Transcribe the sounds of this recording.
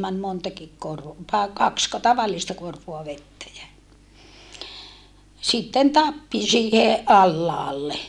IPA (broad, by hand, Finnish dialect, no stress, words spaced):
mæn montɑkik kor tɑe kɑksko tɑʋɑlːistɑ korʋoɑ ʋetːæ jæ sitːen tɑpːi siːhe ʔɑlːɑːlːe